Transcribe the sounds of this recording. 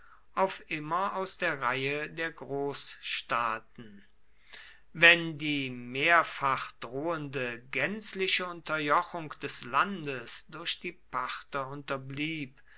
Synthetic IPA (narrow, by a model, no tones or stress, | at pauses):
ʔaʊfʔɪmɐaʊsd̥eːɐʁaɪədeːɐɡʁoːsʃtaːtn̩ | vɛndiːmeːɐfaχd̥ʁoːəndəɡɛnt͡slɪʃəʊntɐjɔχʊŋkd̥ɛslandəsd̥ʊɐʃd̥iːpaχtɐʊntɐbliːp